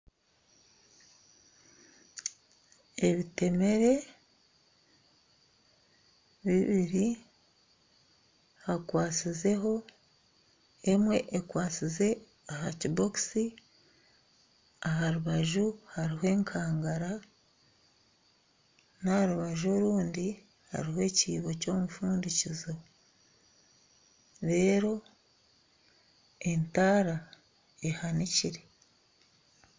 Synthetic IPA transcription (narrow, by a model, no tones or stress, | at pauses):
e̞βite̞me̞ɾe̞ | βiβiɾi | hakwaːt͡size̞ɦo̞ | emwe̞ʔekwaːt͡size̞ | ahaciboksi | aɦaɾuβaʒuhaɾiɦoe̞ːŋkʰaːŋɡaɾa | nahɾuβaʒo̞ːɾuːndi | ha̰ɾiɦwe̞ːciːβo̞co̞ːmufuːndicizo | ɾe̞ːɾo̞ | entaːɾa | ehaniciɾe̞